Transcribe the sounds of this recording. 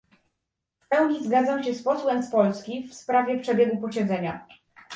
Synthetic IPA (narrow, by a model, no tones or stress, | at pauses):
fpɛwɲizɡad̪zamɕɛspɔswɛmspɔlskʲifspɾavʲjɛpʂɛbʲjɛɡupɔɕɛd̪zɛɲa